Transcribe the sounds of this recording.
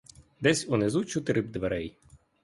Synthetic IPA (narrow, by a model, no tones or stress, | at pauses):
d̪ɛsʲunɪzut͡ʃʊt̪ɪɾɪb̚d̪ʋeɾɛj